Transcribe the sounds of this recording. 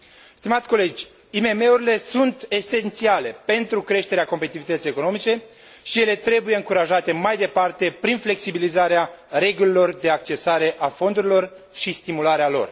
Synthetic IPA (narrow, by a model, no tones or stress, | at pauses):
st̪imat̪sʲko̞le̞d͡ʒʲ | ime̞me̞uɾile̞sunt̪e̞se̞nt̪siale̞pe̞nt̪ɾukɾe̞ʃt̪eɾeako̞mpeit̪ivit̪ət̪sijeko̞no̞mit͡ʃe̞ | ʃije̞le̞t̪ɾe̞bujeɨŋkuɾaʒat̪e̞majd̪e̞part̪e̞pɾinfle̞ksibilizaɾeaɾe̞ɡulilo̞rd̪e̞ak̚t͡ʃe̞saɾe̞ʔafo̞nd̪uɾilo̞r | ʃist̪imulaɾealo̞̰r